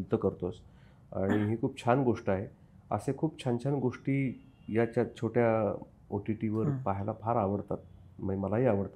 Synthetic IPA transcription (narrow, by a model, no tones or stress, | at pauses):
d̪əkəɾt̪os | a̰ɽ̃iɦiːkʰuːp̚t͡ɕʰanɡoʂʈaɦe | ə̰sekʰuːp̚t͡ɕʰant͡ɕʰanɡoʂʈiː | jat͡ɕjat͡ɕʰoʈja | oʈiʈiʋəɾpaɦjlapʰaɾaʋəɾt̪at̪̚ | maiməlaɦiːaʋəɾt̪a